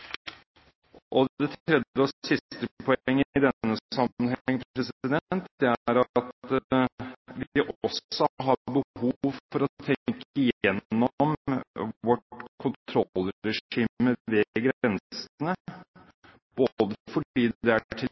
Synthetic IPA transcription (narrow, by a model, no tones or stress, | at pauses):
ʔɔɛt̪ʰɾɛd̪jəɔsɪst̪əpʰɔɛŋːɪd̪ɛːəsɑmənhɛɛŋːpʰɾɛsɪd̪ɛnt̪d̪ɛæɾɑt̪ | ʋɪʔɔsɔɦɑbəhuʋfɔɾɔt̪ʰɛkəjɛnːɔm | ʋɔʈkʰʊnt̪ʰɾɔlːɾɛʂiːməʋeɡɾɛnsnə | b̥od̪əfɔiːd̪d̪ɛæʈʰɪ